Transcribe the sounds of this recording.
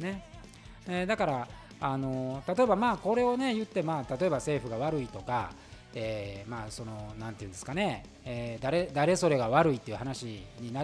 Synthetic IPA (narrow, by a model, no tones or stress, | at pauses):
ne̞ | ed̪akaɾa | ano̞t̪at̪o̞e̞bamaːko̞ɾe̞o̞ne̞jɯ̟t̪ːe̞maːt̪at̪o̞e̞base̞ːɸɯɡaβ̞aɾɯ̟it̪o̞ka̰ | eːmaːso̞no̞nãnt̪eiɯ̃nd̪esɨ̥kane̞ | eːd̪aɾe̞d̪aɾe̞so̞ɾe̞ɡaβaɾɯ̟it̪ːe̞iɯ̟hanaɕiɲ̟ina